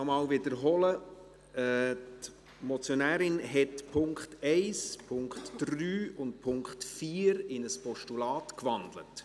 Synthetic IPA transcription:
ɔmɑːlvɪdəɾɦɔlə | ɛːt | mɔt͡sjɔnæːɾɪnɦɛtpʰʊŋkχtɛɪspʰʊŋkχtd̥ryːʊnt̚pʰʊŋkχtfiːəɾɪnəspɔʃtulɑːtkvɑndlə̰t

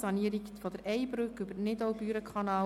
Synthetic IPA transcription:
sɑniəɾikfɔd̥̪əɾɛɪbɾʉkʏbəɾnɪdɔwbyːɾəkʰɑnɑː

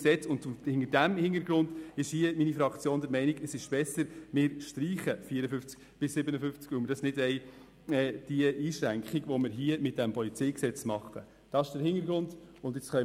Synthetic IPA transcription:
sɛt͡sʊnhɪŋəɾdæmhɪnəɾɡɾʊndɪʃhiəminifɾɑkt͡sjoːndəɾmɛɪniɡəsɪʃb̥ɛsəɾmɪːɾʃtɾiːχəfiəɾəfʏft͡sk | b̥ɪsːɪbənəfʏft͡skʋʉməɾd̥ɑsnɪdɛɪ | ɛːd̥iəʔiːʃɾæŋkχiɡʋɔmɪɾɦiəmɪt̚d̥æmpɔlit͡sɛɪksɛt͡smɑχːə̰ | d̥ɑɪʃd̥əɾɦɪnəɾɡɾʊndʊndɪt͡sχœ

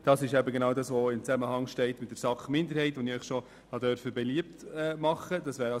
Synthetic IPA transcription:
d̥ɑsɪʃæbəɡenɑːwdɑsʋɔɪmt͡sæməhɑŋʃtɛɪtmɪtd̥ɛɾsɑχmɪnd̪əɾhɛɪtʋɔnɪœʏχʃɔ | hɑdœɾfəbɛliəp̚t̪ɛmɑχədɑsʋæːɾɑ

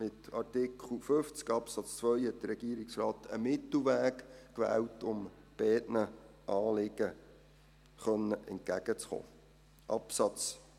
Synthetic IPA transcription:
mɪtɑɾtɪkχl̩føft͡skɑpsɑt͡st͡sʋœjhɛt̚d̥̪əɾɛɡiːəɾɪksrɑːt̪ʰəmɪt̪l̩ʋæːkkʋæ̰ːwtʊm | b̥ɛːtnə | ʔɑːlɪɡə | χœnːəʔɛ̰nt̚kæɡ̥ət͡sχo̰ː | ʔɑpsɑt͡s

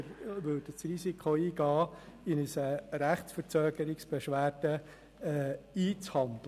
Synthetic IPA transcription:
ʋødət͡srisikχoiːɡ̥ɑːɪnəsəɾæχt͡sfəɾt͡søːɡəɾɪksb̥eʃʋæːrd̥ə | iːt͡shɑnd̪lə

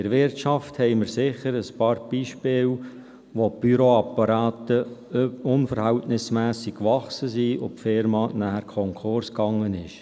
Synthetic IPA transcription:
ɪɾʋɪrtt͡ʃɑfthɛɪməɾsɪχəɾəspɑːɾb̥iːʃpɪːl | ʋob̥yɾoɑpɑɾɑːtə | ʊnfəɾhæltnɪsmæːsikkːʋɑχsəsiʔopfɪɾmɑnæːhəɾkʰɔŋkʰʊrskɑŋːənɪʃ

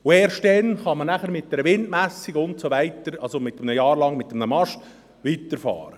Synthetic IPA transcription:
ʊeːɾʃtdɛnχɑmənæχəɾmɪt̚d̥ɛɾəʋɪndmæsːiɡʊntsoʋæɪt̪əɾɑlsomɪtːəmnəjɑːɾlɑŋmɪt̪ːəmnəmɑʃt | ʋiːtəɾfɑ̰ːɾə

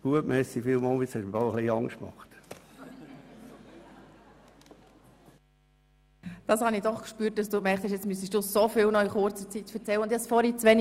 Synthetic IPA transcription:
ɡ̥uətmɛsi̥filmɑlˠbɪshɛʃmfɑʊχliɑŋʃtmɑ̰χt | d̥ɑshɑnidɔχkʃpyːt̚d̥ɑsd̥uːkmɛɾχthɛʃjɛt͡smys̬iʃd̥usofɪːlnɔiχʊɾt͡sət͡sit̪fɛɾt͡sɛlːəʊnd̪jɛt͡stfɔɾit͡sʋɛn

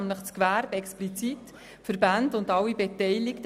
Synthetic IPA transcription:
mləχt͡skʋæɾbɛksplit͡sit | fəɾbændʊndɑwibetɛɪlɪkt

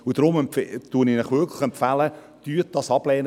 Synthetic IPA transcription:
ud̥ɾʊmɛmtuəninaχʋʏkʰlɪχɛmpfælə | tyːt̚d̥ɑsɑb̥lɛːn

